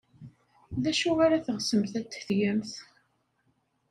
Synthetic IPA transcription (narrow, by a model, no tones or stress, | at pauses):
ðæʃuʁaɾaθəʁsəmθæt͡s̪ːθjəmθ